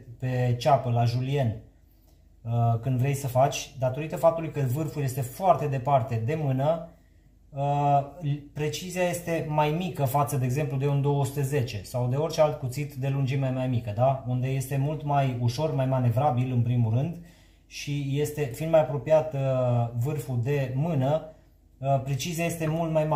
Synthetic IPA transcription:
pe̞t͡ʃapəlaʒulie̞n | əkɨnd̪vɾe̞jsəfat͡ʃʲd̪at̪o̞ɾit̪əfap̚t̪ulujkəvɨrfuljest̪e̞foart̪e̞d̪e̞part̪e̞d̪e̞mɨnə | pɾe̞t͡ʃiziajest̪e̞majmikəfat̪səd̪eeɡze̞mplud̪e̞und̪o̞wosu̥t̪eze̞t͡ʃe̞sawd̪e̞o̞rʲt͡ʃe̞alt̪̚kut̪sit̪d̪e̞lund͡ʒimajmajmikəd̪aund̪e̞je̞st̪e̞mult̪majuʃo̞rmajmane̞vɾabilɨnpɾimuɾɨnd̪ | ʃije̞st̪e̞finmajapɾo̞pijat̪vɨrfud̪e̞mɨnə | pɾe̞t͡ʃiziajest̪e̞mult̪majm

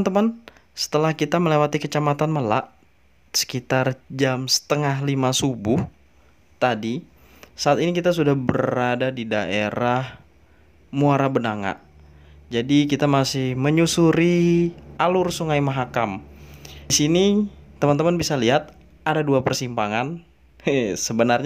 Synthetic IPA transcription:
nt̪əman | sə̥t̪əlahkit̪aməlewat̪ikət͡ʃamat̪anməlaʔ | sə̥kit̪ard͡ʒamsə̥t̪əŋaɦlimasubʊh | t̪adi | saat̪inikit̪as̬udahbəɾadadidaʔeɾah | muaɾabənaŋa̰ʔ | d͡ʒadikit̪amasɪhməɲusuɾiʔalʊrsuŋajimaɦakam | sinit̪əmant̪əmanbisaliɦat̪̚ | adaduapərsimpaŋan | səbənarɲ

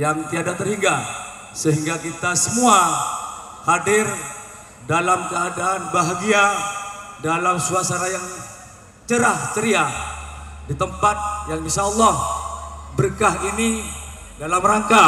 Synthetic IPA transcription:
jaŋt̪iadat̪ərhiŋɡa | səɦiŋɡakit̪asəmua | hadɪr | dalamkəadaːnbaɦaɡia | dalamsuasanajaŋ | t͡ʃəɾaht̪əɾia | dit̪əmpat̪̚jaŋbisaɔlˠːɔh | bərkaɦinidalamraŋka

